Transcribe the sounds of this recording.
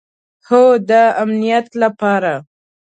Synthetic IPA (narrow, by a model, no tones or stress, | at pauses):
xod̪əamnijat̪lapɑɾa